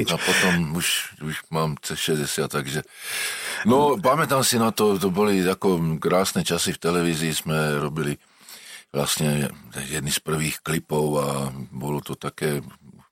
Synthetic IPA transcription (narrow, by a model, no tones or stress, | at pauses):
apɔt̪ɔmuʃuʃmaːmt͡sɛʃɛzɟɛsɪat̪t̪ːaɡʒɛ | nɔpamɛt̪aːmsinat̪ɔt̪ɔbɔliakɔkɾaːsnɛt͡ʃasift̪ɛlɛʋiziːzmɛɾɔbili | ʋla̰st̪ɲɛjɛd̪nispr̩ʋiːxklipɔʊabɔlɔt̪ɔt̪akɛːu